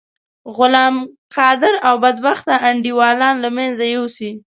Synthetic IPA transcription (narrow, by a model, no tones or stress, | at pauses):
ɣʊlɑmqɑd̪ɪɾawbad̪̚baxt̪aʔaɳɖiwɑlɑnlamenzajowsi